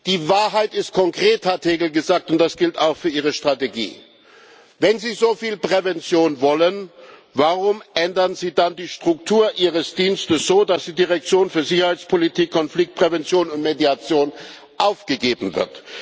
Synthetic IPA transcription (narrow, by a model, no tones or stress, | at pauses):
d̥iːvaːɐɦaɪtɪst̚kʰɔŋkʁ̥eːthatheːɡl̩ɡəzaːk̚tʊnt̚d̥asɡ̥ɪltaʊxfyːɐʔiːʁ̞əʃtʁ̥ateɡḭː | vɛnziːzoːfiːlpʁ̥ɛvɛnt͡sjoːnvɔlənvaʁʊmʔɛndɐnziːdandiːʃtʁ̥ʊktʰuːɐʔiːʁəsd̥iːnstəsz̥oːdasd̥iːdiʁɛk̚t͡sjoːnfyːɐzɪçɐhaɪt͡spʰolitʰiːkʰːɔnflɪk̚t̚pʁ̥ɛvɛnt͡sjoːnʊntmediat͡sjoːn | ʔaʊfɡ̥əɡeːbm̩vɪ̰ɐt